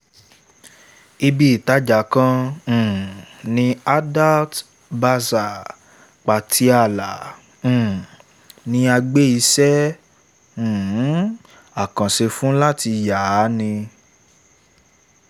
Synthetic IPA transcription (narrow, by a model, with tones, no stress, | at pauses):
i˧bi˦i˨ta˨˦d͡ʒa˨kã˧˨ | nĩ˧a˦da˦lt | ba˧sa˨ | k͡pa˨tʰi˨˦a˦˨lã˨ | nĩ˧˦a˧ɡ͡be˦i˧sɛ˦˨˦ | a˦˨kã˨se˧fũ˦la˦ti˧ja˨˦nĩ˧